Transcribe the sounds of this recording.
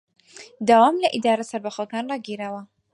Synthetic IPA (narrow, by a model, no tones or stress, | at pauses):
d̪aːwaːmlɐʔid̪aːɾɐsɐɾbɐχəkaːnrɑːɡiɾaːwɐ